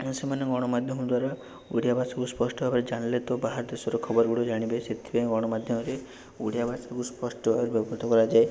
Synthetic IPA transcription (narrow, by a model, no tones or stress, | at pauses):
semanɔɡɔɽ̃ɔmad̪ʱjɔmɔd̪waɾa | uɽijabʱasɔkuspɔsʈɔbʱabaɾed͡ʒaɽ̃ilet̪obaɦaɾd̪esɔɾɔkʰɔbɔɾɔɡuɽɔd͡ʒaɽ̃ibeset̪ʰibeɡɔɽ̃ɔmad̪ʱjɔmɔɾe | uɽijabʱasakuspɔsʈɔbʱabɔɾebɔbʱɔɾt̪ɔkɔɾad͡ʒae